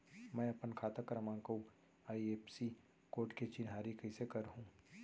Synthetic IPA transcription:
mɛ̃ːɐpənkʰaːt̪əkɾɐmãːko | aːieːpsi | koːʈket͡ʃɪnɦaːɾikɐɪsekɐɾɦũː

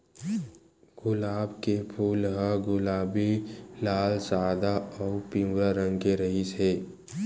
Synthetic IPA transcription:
ɡ̥ʊlaːbkepʰuːlɦəɡʊlaːbilaːlsaːd̪aɔːpĩmaɾə̃ŋɡkeɾəɦiseː

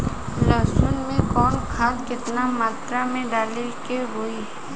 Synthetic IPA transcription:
ləsʊnmẽkɔːnkʰaːlkɪt̪namaːt̪ɾamẽɖaːlekeɾoi

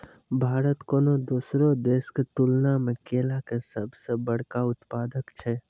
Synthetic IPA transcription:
bʱaːɾət̪koːnod̪usɾod̪eːsket̪ulnamẽkeːlakesəbʱsebəɽ̤kaʊt̪paːd̪əkt͡ʃʰɛ

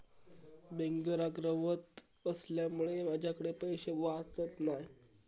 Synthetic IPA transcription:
beŋɡəɾaɡɾəʋət̪ | əsljamuɭemad͡ʑʱjakəɽepəjɕeʋat͡sət̪naj

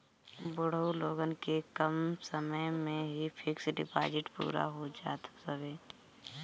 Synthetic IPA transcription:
bʊɽ̤oloːɡənkekəmsəməjmẽɦipʰɪksɖɪ̰pa̰ːd͡ʒɪʈpṵːɾa̰ɦod͡ʒaːt̪səʋeː

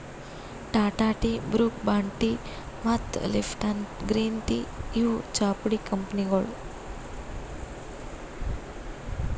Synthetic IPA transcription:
ʈaʈaʈibɾuk̚baɳʈi | mat̪lefʈanɡɾiːnt̪ijut͡ʃapɽikəmpniɡɔɭ

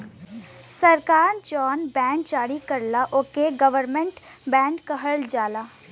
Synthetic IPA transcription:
səɾkaːɾd͡ʒɔːnbɛ̃ːɳɖd͡ʒaːɽikəɾlaʔoːkeɡəʋəɾmẽɳʈ | bɛ̃ːɳɖkəɦəld͡ʒaːlaː

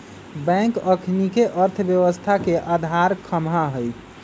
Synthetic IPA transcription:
bɛ̃ŋkəkʰnikeʔəɾt̪ʰbjəwəst̪ʰakeʔad̪ʱaɾkʰəmɦaɦəjtʰ

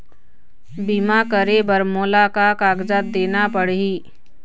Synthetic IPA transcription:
biːmakəɾebəɾmoːlakakaːɡd͡ʒət̪̚d̪eːnapəɽiː

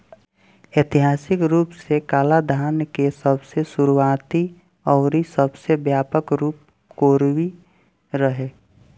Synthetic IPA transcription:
et̪iɦaːsɪkɾuːpsekaːlad̪ʱaːnkesəbsesuɾuwaːt̪i | ɔːɾisəbsebjaːpəkɾuːp̚ | koːɾwi | ɾəɦeː

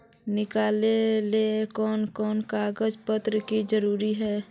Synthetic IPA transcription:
nɪkaːlelekɔːnkɔːnkaɡəd͡ʒpət̪ɾəkid͡ʒəɾuːɾiɦɛː

